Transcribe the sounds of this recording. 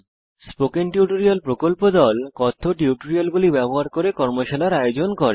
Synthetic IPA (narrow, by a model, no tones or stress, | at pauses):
spokenʈiuʈoɾialpɾokolpod̪ɔlkɔt̪ʰːoʈiuʈoɾialɡulibɛboɦaɾkoɾekɔɾmoʃalaɾajod͡ʑonkɔɾe